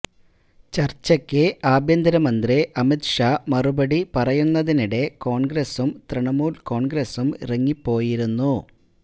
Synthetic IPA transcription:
t͡ɕɐrt͡ɕːɐkːɨʔaːbʱjɐnd̪ʱɐɾɐmɐnd̪riʔɐmit̪ʂaːmɐrubɐɽipɐrɐjunːɐðiniɽe̞ko̞ːɳɡɾesumt̪rɨɳɐmuːlko̞ːɳɡɾesumḭrɐŋːipːo̞ːjiɾunːu

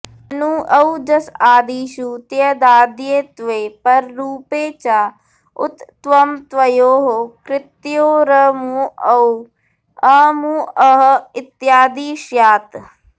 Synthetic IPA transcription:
ənũːʔəud͡ʒəsaːd̪iːʃuːt̪jəd̪aːd̪jeːt̪ʋeːpəɾːuːpeːt͡ʃaː | ʊ̰t̪ːʋəmt̪ʋəjoːɦoːkɾɪt̪joːɾəmuəu | əmuːəɦɪt̪jaːd̪iːʃjaːt̪

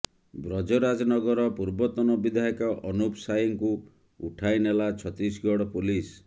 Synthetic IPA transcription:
bɾɔd͡ʒɔɾad͡ʒɔnɔɡɔɾɔpuɾbɔt̪ɔnɔbid̪ʱaɦɔkɔʔɔnupsajɔŋku | uʈʰajnelat͡ʃʰɔt̪isɡɔɽɔpulis

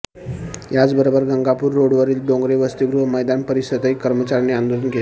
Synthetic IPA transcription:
jat͡sbəɾobəɾɡəŋɡapuːɾːoɽʋəɾiːlɖõŋɡɾeʋəst̪iɡɾuɦməjd̪anpəɾiɕəd̪aikːəɾmət͡ɕaɾneand̪olənkel

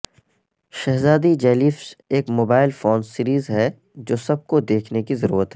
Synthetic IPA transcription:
ʃɛɦzaːd̪id͡ʒɛːliːfseːkmoːbaːɪlfoːnsiːɾiːzɦɛ | d͡ʒoːsɐb̚kod̪eːkʰnekizɐɾṵːɾət̪ɦɛː

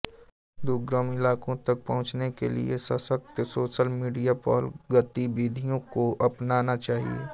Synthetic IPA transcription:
d̪ʊɡɾəmɪlaːkõt̪ɐk̚pɐɦʊ̃t͡ʃnekḛlḭesɐsək̚t̪soːʃəlmiːɖijapɔ̰ːlɡət̪ibiːd̪ʱijõkoʔɐpnaːnat͡ʃaːɦḭḛː

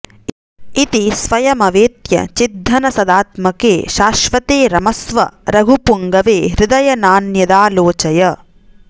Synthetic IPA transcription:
it̪isʋɐjɐmɐʋeːt̪jɐ̰t͡ʃid̪ʱːɐnɐsɐd̪aːt̪mɐkeːʃaːʃʋɐt̪eːɾɐmɐsʋɐ̰ɾɐɡʱupuŋɡɐʋeːɾɪd̪ɐjɐnaːnjɐd̪aːloːt͡ʃɐjɐ

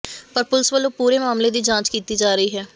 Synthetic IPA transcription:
pəɾpʊlsʋəlõːpuːɾeːmaːmleːd̪iːd͡ʒãːt͡ʃkiːt̪iːd͡ʒaːɾəiːɦɛː

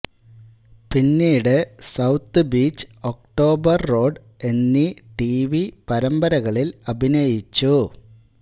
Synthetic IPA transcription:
pinːiːɽɨsɐwt̪ːɨbiːt͡ɕːɨ̥o̞k̚ʈo̞ːbɐrːo̞ːɖ | e̞nːiʈiʋipɐɾɐmbɐɾɐɣɐɭilɐbʱinɐjit͡ɕːu

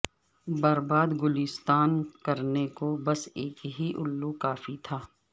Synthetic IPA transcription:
bɐɾbaːd̪ɡʊlɪst̪aːnkɐɾnekobɐseːkɦiʔʊlːukaːfit̪ʰaː

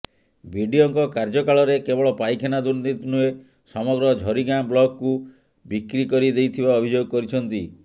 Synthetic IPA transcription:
bʱiɖiɔŋkɔkaɾd͡ʒɔkaɭɔɾekebɔɭɔpajkʰenad̪und̪it̪nue | sɔmɔɡɾɔd͡ʒʱɔɾiɡamblɔɡku | bikɾikɔɾid̪ejt̪ʰibaɔbʱid͡ʒoɡɔkɔɾit͡ʃʰɔnt̪i

